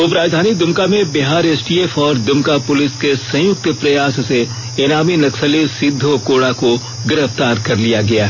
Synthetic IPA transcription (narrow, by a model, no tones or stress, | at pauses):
ʊpɾaːd͡ʒd̪ʱaːnid̪ʊmkamẽbɪɦaːɾeːsʈiːeːfɔːɾd̪ʊmkapʊlɪskesɐ̃jʊk̚t̪pɾɐjaːsse | eːnaːminɐksəlesɪd̪ʱːokoːɽako | ɡɪɾəft̪aːɾkɐɾlijaɡɐjaːɦ